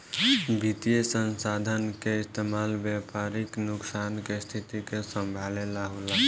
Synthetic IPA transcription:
bʱit̪ijesənsad̪ʱənkeɪst̪emaːlbjapaɾiknʊksankest̪ʰit̪ikesə̃mbʱalelaɦola

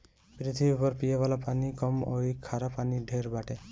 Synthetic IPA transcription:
pɾit̪ʰibiupɔɾpijabalapanikɔmojkʰaɾapaniɖʱeɾbaʈe

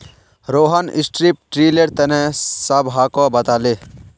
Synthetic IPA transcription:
ɾoːɦanɪ̰sʈɾip̚ʈɾiːleɾt̪ɛnɛ̃sɐbɦaːkɔbɐt̪aːle

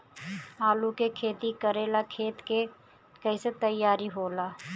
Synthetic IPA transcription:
aːlukekʰeːt̪ikəɾeːlakʰeːt̪ke | kəɪset̪əjːaːɾiɦoːlaː

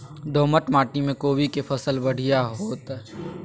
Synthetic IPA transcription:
ɖoːməʈmaːʈimẽkoːwikepʰəsəlbəɽ̤ijaɦoːt̪ɛ

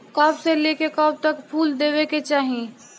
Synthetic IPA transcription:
kəbsẽlekekəb̚t̪əkpʰuld̪ebeket͡ʃaːɦi

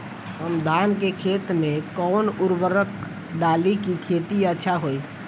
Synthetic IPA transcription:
ɦəmd̪ʱankekʰet̪mẽkɔnuɾbəɾək | ɖalikikʰet̪iətːʃʰaɦoj

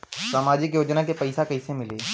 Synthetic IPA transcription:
saːmaːd͡ʒɪkjoːd͡ʒnakepɐɪsakɐɪsemɪleː

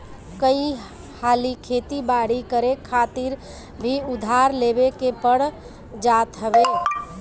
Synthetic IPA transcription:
kəi | haːlikʰet̪ibaɽikəɾekʰːat̪iɾ | bʱiʊd̪ʱaɾlebekepəɽ | d͡ʒat̪ɦəbɛ

